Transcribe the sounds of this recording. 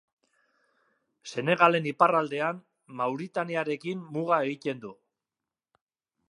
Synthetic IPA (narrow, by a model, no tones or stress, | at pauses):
se̞ne̞ɣale̞niparald̪e̞an | mawɾit̪aniaɾe̞kimmuɣae̞ɣit̪e̞nd̪u